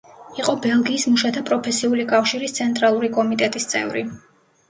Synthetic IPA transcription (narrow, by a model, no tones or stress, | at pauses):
iqʼɔbɛlˠɡiːsmuʃat̪ʰapʼɾɔpʰɛsiulikʼafʃiɾist̪sʰɛnt̪ʼɾalˠuɾikʼɔmit̪ʼɛt̪ʼist̪sʼɛ̰vɾḭ